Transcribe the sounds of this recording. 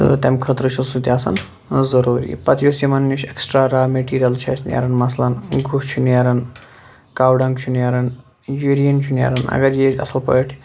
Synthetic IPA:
ɨ̰t̪ʲemkʰət̪ɾɨt͡ʃʰulsud̪ʲaːsɐ̰n | zɐɾuːɾḭːpɐt̪joːsimɐnːuʃʰeksʈɾaːɾaːmeʈiːɾɐlt͡ʃʰɐ̰ːsʰnʲja̰ːɾɐnmɐslanɡʱut͡ʃʰunjaːɾɐn | kaːwɖɐ̃ŋɡt͡ʃʰunjaːɾɐn | juːɾijɐnt͡ʃʰunja̰ːɾɐnɐ̰ɡɐɾjeːt͡ʃɐ̰sɐlpə̰ʈʰ

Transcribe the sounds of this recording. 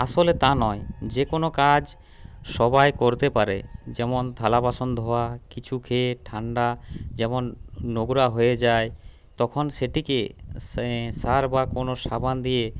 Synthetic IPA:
aʃolet̪anɔed͡ʑekonokad͡ʑ | ʃɔbajkoɾt̪epaɾḛd͡ʑɛmont̪ʰalabaʃond̪ʱɔakit͡ɕʰukʰeʈʰaɳɖad͡ʑɛmonːoɡuɾaɦoed͡ʑae | t̪ɔkʰonʃeʈike | saɾbakonoʃabʱand̪ije

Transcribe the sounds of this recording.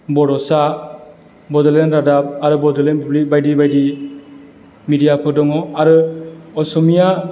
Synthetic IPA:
bɔɾɔsa | bɔdɔlenɾadap̚aɾɯbɔdɔlenpablik̚bajdibajdi | midijapʰɯdɔŋɔaɾɯɔsɔmija

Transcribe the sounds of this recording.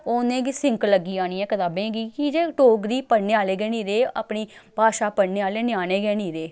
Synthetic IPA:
oːnẽːɡisɪŋklːəɡiːaːñiːɛ̃ːkət̪aːbẽːɡiːkid͡ʒeːʈoːɡɾiːpəɽneːaːleːɡɛːniːɾeːaːpɳiːbʱaːʃaːpəɽneːaːleːnɪaːneːɡɛːniːɾeː

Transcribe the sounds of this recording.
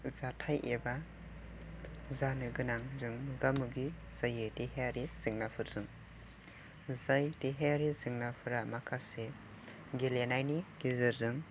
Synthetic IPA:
zatʰajʔeba | zanɯɡɯnaŋzɯŋmɯɡamɯɡi | z̥ajɯteɦeaɾiz̥ɯŋnapʰɯɾzɯŋ | zajteɦejaɾizɯŋnapʰɯɾamakʰase | ɡelenajniɡ̥izɯɾzɯŋ

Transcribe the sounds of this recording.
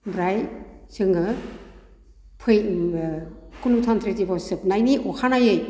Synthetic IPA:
bɾajsɯŋɯ | pʰɯj | kunutʰant̪ʰɾetibɔsɯpnajniʔɔkʰanajɯj

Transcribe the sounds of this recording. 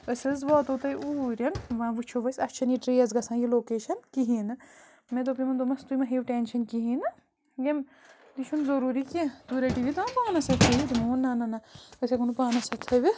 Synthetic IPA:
əsʲɐzʋɔːt̪ɐwt̪ɐjʔuːɾʲɐnʋãːʋɨt͡ʃʰoʋɐsɐt͡ʃʰɐniʈɾijɐzɡɐsãːjiloːkeːʃɐnkiɦinɨ | mẽt̪opimɐnd̪omɐst̪umɐɦiːʋʈeːnʃɐnkiɦiːnɨ | ɡem | d̪it͡ʃʰunzɐɾuːɾikʲit̪uɾɐʈiʋit̪ãpaːnɐsɐt̪ʰɐʋʲid͡ʒimuːnːanɐnɐəsʲekunupaːnɐsɐt̪ʰɐʋʲi

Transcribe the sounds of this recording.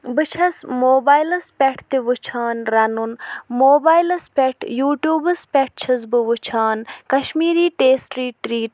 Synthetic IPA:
bɨt͡ʃʰɐsmoːbaːjlɐspʲeʈʰt̪iʋɨt͡ʃʰaːnɾɐnunmoːbaːjlɐspʲeʈʰjuːʈjuːbɨspʲeʈ̚t͡ʃʰɐz̬bɨʋɨt͡ʃʰaːnkɐʃmiːɾiːʈeːsʈɾiːʈɾiːʈ

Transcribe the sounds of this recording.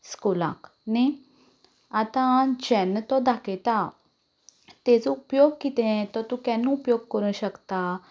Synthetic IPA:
skulã̰k | ne | at̪ãd͡ʑɛnət̪ɔd̪aket̪a | t̪ɛ̃d͡zɔupjoɡ̚kit̪ɛ̃t̪ɔt̪ukɛ̃nːũupjoɡ̚kəɾũɕəkt̪a

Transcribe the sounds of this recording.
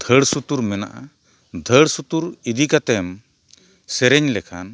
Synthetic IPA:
d̪̥ʱəɽsut̪uɾmɛna̰ʔa | d̪ʱəɽsut̪uɾid̪ikat̪ɛm | sɛɾɛɲlɛkʰa̰n

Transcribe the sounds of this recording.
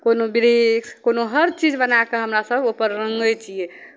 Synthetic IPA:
konobiɾekonoɦəɾt͡ʃid͡ʒbənakeɦəmɾasəbopəɾːəŋɡəjt͡ʃʰije

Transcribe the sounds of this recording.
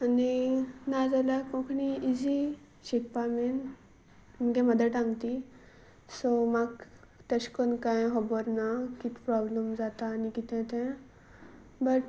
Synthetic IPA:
aninad͡zalakɔ̃kʰniid͡zi | ɕik̚pamen | məɡɛ̃məd̪əʈãŋɡt̪i | sɔmaɡ | t̪əɕkonkãjɦɔbɔɾnakit̪ʰpɾɔbləmd͡zat̪aːnikit̪ʰɛ̃t̪ɛ̃ | bəʈ

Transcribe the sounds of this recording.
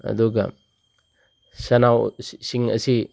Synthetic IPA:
ɐ̰duɡɐ̰ | sɐnawsiŋɐ̰si

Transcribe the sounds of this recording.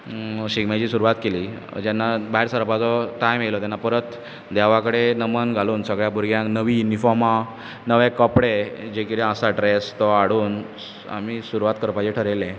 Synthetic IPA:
ɕiɡmat͡ɕiːsuɾuʋat̪keliː | d͡ʑanːabaɦiɾsəɾpat͡sɔʈajmiɭilɔt̪janːapəɾət̪ | d̪aʋakəɽenəmənɡʱaluːnsəɡɭjabuɾɡjãknəʋiunifɔɾma | nəʋẽkəpɽed͡ʑekit̪eəsaʈɾest̪ɔaɽuːn | a̰misuɾuʋat̪̚kəɾpad͡ʑeʈʰəɾelɛ̃

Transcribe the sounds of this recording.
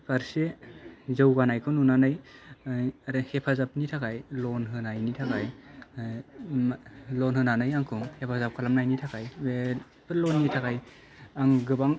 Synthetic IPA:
pʰaɾsezɯwɡanajkʰɯnunanɯj | aɾɯhepʰazap̚nitʰakʰajlɔnɦɯnajnitʰakʰaj | lɔnɦɯnanɯjaŋkʰɯŋhepʰazap̚kʰalamnajnitʰakʰajbe | pʰɯlɔnːitʰakʰaj | aŋɡɯbaŋ

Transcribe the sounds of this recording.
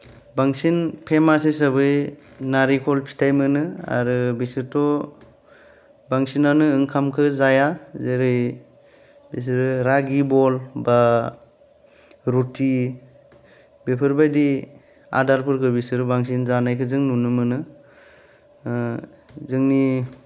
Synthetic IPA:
baŋsinpʰemases̬abɯjnaɾikʰɔlpʰi̥tʰajmɯnɯa̰ɾɯbisɯɾtɔ | baŋsinanɯːŋkʰamkʰɯzajazeɾɯj | bis̬iɾɯɾaɡibɔlba | ɾutʰi | bepʰɯɾbajdi | a̰daɾpʰɯɾkʰɯbisɯɾɯbaŋsinzanajkʰɯzɯŋnunɯmɯnɯ | zɯŋni

